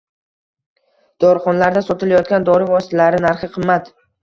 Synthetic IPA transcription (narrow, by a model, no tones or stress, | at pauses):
d̪̥ɒɾχɒnlaɾd̪asɒt̪ɪlajɒt̪̚ɡʲand̪ɒɾɪvɒsɪ̥t̪ʰalaɾɪnaɾχɨqʰɨmːat̪